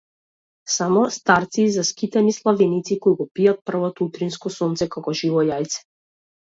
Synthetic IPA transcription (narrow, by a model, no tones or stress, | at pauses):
samɔst̪aɾt̪sizaskit̪ɛnislˠavɛnit̪sikɔiɡɔpijat̪̚pr̩vɔt̪ɔut̪ɾinskɔsɔnt̪sɛkakɔʒivɔjajt̪sɛ̥